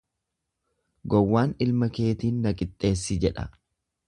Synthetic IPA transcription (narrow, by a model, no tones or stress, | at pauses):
ɡɔwːaːnɪlmɐke̞ːt̪iːnːɐkʼɪt̪ʼːe̞ːsːɪd͡ʒɛᶑɐ̰